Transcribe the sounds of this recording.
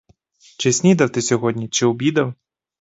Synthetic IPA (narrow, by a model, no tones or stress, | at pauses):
t͡ʃɪsʲnʲid̪ɐwt̪ɪsʲɔɣɔdʲnʲit͡ʃɪwbʲid̪ɐw